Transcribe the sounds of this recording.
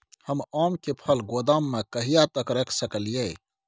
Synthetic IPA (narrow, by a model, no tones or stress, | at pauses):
həmɔːmkepʰəlɡod̪aːmːekəɦijat̪əkɾekʰsəkəlijɛ